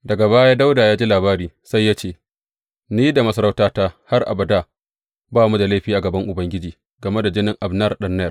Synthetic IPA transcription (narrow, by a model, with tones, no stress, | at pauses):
dɐ˨ɡa˨βaː˦jaː˦da˦wdaː˨jaː˦d͡ʒi˦laː˨βaː˦ɾiː˦sa˦jːa˦t͡ʃeː˦˨ | niː˦da˨mɐ˦sɐ˦ɾa˦wtaː˦ta˦ha˦rʔa̰˨bɐ˨daː˦˨ | baː˦mu˦da˨la˦jɸiː˦ʔa˨ɡɐ˨bɐ˦ŋʔʊ˨bɐ˦ŋɡʲɪ˦d͡ʒiː˨ | ɡɐ˨me˦da˨d͡ʒɪ˦nɪ˨ŋʔa˨bnɐ˦˨rɗɐ˦nːɐ˦jɐ˨